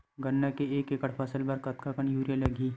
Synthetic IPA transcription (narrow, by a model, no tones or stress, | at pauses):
ɡɐnːakeeːkekəɽpʰɐsəlbɐɾkɐt̪̚kakəɳ̃juːɾjalɐɡʱiː